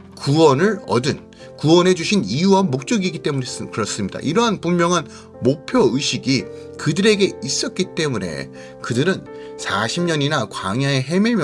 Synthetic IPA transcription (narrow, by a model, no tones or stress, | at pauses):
kuwʌnɯɾʌdɯn | kuwʌnɦe̞d͡ʑuɕʰinijuwamok̚t͡ɕ͈ʌɡiɡit͈e̞munkɯɾʌs͈ɯmɲida̰ʔiɾʌɦanpummjʌŋɦan | mopʰjʌɯɕʰiɡi | kɯdɯɾe̞ɡe̞is͈ʌt̚k͈it͈e̞mune̞̰ | kɯdɯɾɯn | sʰaɕʰimɲʌɲinakwaŋjae̞ɦe̞miɭmj